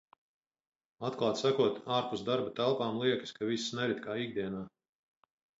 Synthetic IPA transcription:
at̪̚klˠaːt̪sakuɔt̪aːɾpusd̪aɾbat̪ælˠpaːmlˠiɛkɨ̥skavissnɛɾit̪kaːiɡ̚d̪iɛnaː

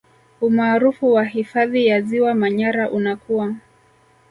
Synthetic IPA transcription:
umaːɾufuwaɦifaðijaziwamaɲaɾaʔunakua

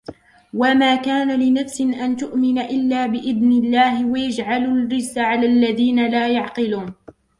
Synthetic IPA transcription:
wamaːkaːnalɪnafsɪʔant̪ʊʔmɪnaʔɪlːaːbɪʔɪðnɪlːaːhɪwajad͡ʒʕalʊlːɪzːaʕalaːlːaðiːnalaːjɑʕqɪluːn

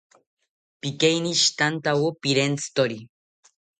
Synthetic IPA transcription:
pikejniʃi̥t̪ant̪awopiɾent͡sʰɨ̥t̪oɾi

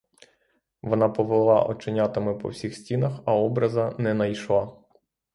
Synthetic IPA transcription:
ʋɔnɑpɔʋelˠlˠɑ̰ʔɔt͡ʃɪnʲat̪ɪmɪpɔ̰wsʲixsʲtʲinɐxɐɔbɾɐzɐnɛnɐjʃlˠɑ

